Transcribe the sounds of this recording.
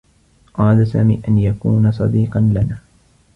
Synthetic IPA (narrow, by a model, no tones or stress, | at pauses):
ʔɑɾˤɑdasa̰ːmiːʔanjakuːnasˤɑ̰d̪iːqɑnlanaː